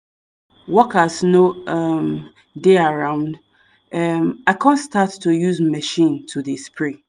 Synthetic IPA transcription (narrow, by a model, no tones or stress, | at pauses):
wɔkasnoɛm | deaɹãʊ̃nd | ɛmaɪkʰãnstʰatʰːujuzmɛʃĩntʰuðispʰɹĩ